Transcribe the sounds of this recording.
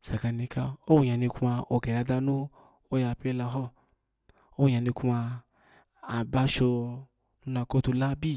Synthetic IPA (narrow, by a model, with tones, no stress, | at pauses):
sa˨ka˧ni˧ka˧o˦wu˨ɲa˨ni˧ku˦a˧o˨ɡe˨la˧da˧nũ˦ | o˦ja˧pe˦la˧ɦɔ˦ | o˦ɲa˨ni˧ku˦aː˧˨ | ba˦ʃo˧ | nu˦na˧ko˦tu˧la˦bi˦˨